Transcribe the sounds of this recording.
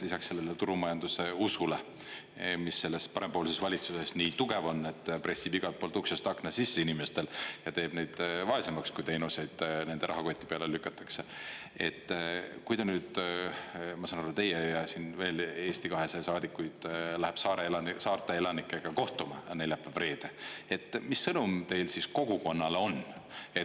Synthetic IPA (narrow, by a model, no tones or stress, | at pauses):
lisɑkse̞lːelet̪uɾumɑjɑnd̪use̞usule | misːe̞lːe̞spɑɾempo̞ːlisesvɑlʲit̪suse̞sniːt̪uɡ̥e̞vo̞nːe̞t̪ːpre̞sːibiɡ̥ɑlt̪pːolt̪uksɑst̪ɑknɑsisːeinimest̪e̞ljɑt̪e̞ːb̥ne̞jd̪̥vɑe̞semɑkskujt̪e̞jnuse̞jd̪̥ne̞nd̪̥e̞ɾɑ̰ɦɑko̞t̪ʲːˑipeɑlelykːˑɑt̪ːˑɑ̥kse̞ | e̞t̪ːkujd̪ɑnyːd̪̥ | mɑsɑnɑɾɑt̪e̞jejɑsinve̞ːle̞ːsʲt̪ikɑɦe̞sejsɑːd̪ikːˑujd̪̥læheb̥sɑːɾelɑsɑːrt̪ˑeelɑnikːˑeɡ̥ɑko̞ht̪umɑɑnejlɑpːɑb̥re̞ːd̪̥ee̞t̪ːˑmisːɤnumt̪e̞jlsisko̞ɡ̥uko̞nːɑleo̞ne